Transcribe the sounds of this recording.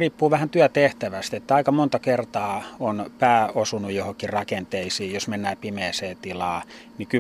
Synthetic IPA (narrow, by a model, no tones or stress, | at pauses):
riːpːuːʋæhænt̪yæt̪eht̪æʋæst̪et̪ːæɑikɑmont̪ɑkert̪ɑːonpæːosunujjohokːirrɑkent̪eisiːjjosmenːæːpimeːseːt̪ilɑː | niky